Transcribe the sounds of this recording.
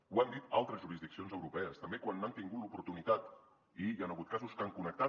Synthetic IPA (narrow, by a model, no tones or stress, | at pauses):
uand̪it̪alˠt̪ɾəzʒuɾizðiksionzəwɾupɛəst̪əmbekwanːant̪iŋɡut̪lupuɾt̪unit̪at̪ | ianəɣ̞ut̪̚kazuskaŋkunək̚t̪a